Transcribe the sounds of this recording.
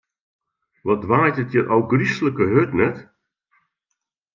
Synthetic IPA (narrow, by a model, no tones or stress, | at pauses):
ʋɔdʋaːjtətjərʔɔwɡrisləkəɦøtnɛt